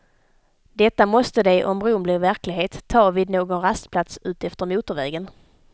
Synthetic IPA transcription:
d̪ɛt̪ːamɔst̪əd̪ɛʔɔmɾʊmblɪɾvæɾklɪɡɦeːt̪ʰːɑːviːd̪noːɡɔnɾast̪pʰlat̪sʉ̟ːt̪ɛft̪əɾmuːt̪əɾvɛːɡən

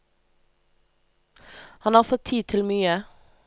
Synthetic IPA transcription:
hɑnhɑːʁfɔt̪ʰiːt̪ʰɪlmyːə

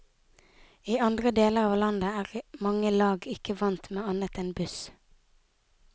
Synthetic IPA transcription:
iːɑnd̪ʁəd̪eːləʁɑːʋlɑnd̪əæːʁmɑŋəlɑːɡɪkəʋɑnt̪meːɑnət̪ɛːnbʉs

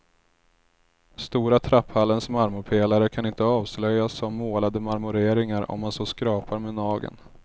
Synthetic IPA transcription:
st̪uːɾat̪ʰɾapːhalːənsmaɾmʊɾpʰeːlaɾəkʰanɪnt̪əɑːvslœjasɔmmoːlad̪əmaɾmɵɾeːɾɪŋaɾɔ̰mːansoːskɾɑːpaɾmeːnɑːɡə̰n

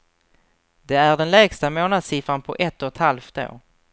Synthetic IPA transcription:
d̪ɛæɖɛnlɛːɡst̪amoːnad̪siːfanpʰɔʔɛt̪ːɔt̪halfd̪o̰ː

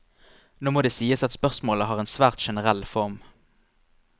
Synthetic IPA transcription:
noːmoːd̪eːsiːəsɑt̪spœʁsmoːləɦɑːʁeːnsʋæːʁt̪ʃɛnəʁɛlfɔʁm

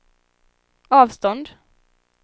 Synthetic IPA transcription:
ɑːvst̪ɔnd̪

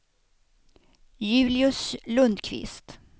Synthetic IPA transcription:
jʉ̟ːlɪɵslɵnd̪kʰvɪ̰st̪

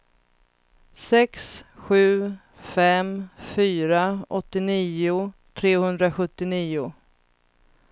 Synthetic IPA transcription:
sɛksɧʉ̟ː | fɛmfyːɾaɔt̪ːɪniːʊt̪ʰɾeːhɵnd̪ɾaɧɵt̪ːɪniːʊ

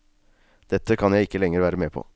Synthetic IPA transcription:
d̪̥ɛt̪ʰːəkʰɑnjæɪɪkːəlɛŋːəɾʋæːɾəmeːpʰɔ̰ː

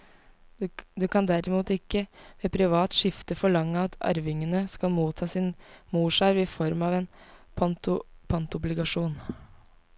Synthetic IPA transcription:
d̪ʉkʰɑnd̪æɾɪmuːt̪ɪkːəmeːpʰɾɪʋɑːt̪ʂɪft̪əfɔɭɑŋːəɑt̪ʰɑ̰ɾʋɪŋənəskɑlmuːt̪ʰːɑːsɪnmuːʂɑɾʋɪfɔɾmɑːʋeːnpʰɑnt̪ʊpʰɑnt̪ɔblɪɡɑʂuːn

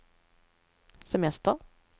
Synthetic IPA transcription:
sɛmɛst̪əʁ

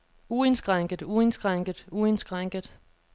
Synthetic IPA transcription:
ue̝nsɡ̥ʁaŋ̰ɡ̥əð̩ˠue̝nsɡ̥ʁaŋ̰ɡ̥əð̩ˠue̝nsɡ̥ʁaŋ̰ɡ̥əð̩ˠ

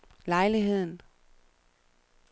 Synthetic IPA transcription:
lɑ̈ɪliɦe̝ð̰ˠn̩

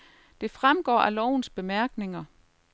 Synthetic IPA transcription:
d̥e̝fʁamɡ̥ɒ̰ːʔælɒʊ̰nsb̥e̝mæɐɡ̥ne̝ŋɐ

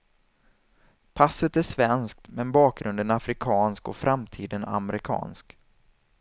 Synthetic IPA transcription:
pʰasːət̪æʂvɛnsk̚t̪mɛnbɑːk̚ɡɾɵnd̪ənafɾɪkʰɑːnskɔfɾʔamt̪ʰiːd̪əna̰mɛɾɪkʰɑ̰ːnsk

